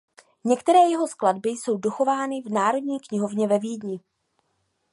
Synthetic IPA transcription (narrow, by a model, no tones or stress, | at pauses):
ɲɛkt̪ɛɾɛːjɛɦo̞skladbɪjso̞wdoxo̞vaːnɪvnaːɾo̞dɲiːkɲɪɦo̞vɲɛvɛviːdɲɪ